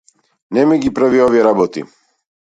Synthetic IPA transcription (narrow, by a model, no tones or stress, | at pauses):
nɛmiɡipɾaviɔvijeɾabɔt̪ḭ